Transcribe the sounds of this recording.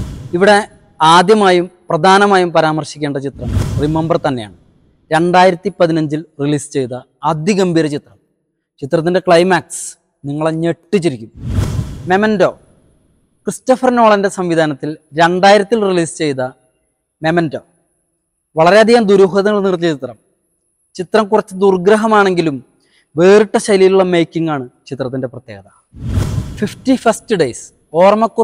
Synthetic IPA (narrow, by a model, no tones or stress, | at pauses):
iʋiɽe̞ | aːd̪jɐmaːjumprɐd̪ʱaːnɐmaːjumpɐɾaːmɐrɕikʲːe̞ːɳɖɐt͡ɕit̪rɐmrimːɐmbɐrt̪ɐnːe̞ja̰ːɳɨ | ɾe̞ɳɖaːjiɾɐt̪ːipɐðinɐɲd͡ʑilriliːst͡ɕe̞jt̪ɐː | d̪iɣɐmbʱiːɾɐt͡ɕit̪rɐm | t͡ɕit̪rɐt̪̬ːinde̞kɭɐjmaːks | niŋːɐɭeɲeʈːit͡ɕːiɾikʲːum | me̞mɐndo̞̰ː | kristɐfɐrno̞ːɭɐnde̞sɐmʋid̪ʱaːnɐt̪ːilɾe̞ɳɖaːjiɾɐt̪ːilriliːst͡ɕe̞jt̪ɐ | memɐndo̞̰ː | ʋɐɭɐɾeɐd̪ʱijaːnd̪uɾuːɦɐðɐŋːɐɭnirt̪ːjit͡ɕit̪rɐm | t͡ɕit̪rɐmkurɐt͡ɕːɨd̪urɡɾɐɦɐmaːɳe̞ŋɡilum | ʋe̞ːriʈːɐɕɐjlijiluɭːɐmejkʲːiŋːaːɳɨt͡ɕit̪rɐt̪ːinde̞prɐt̪jeːɡɐðɐ | fiftifɐstɨɖejs | o̞ːrmɐkːu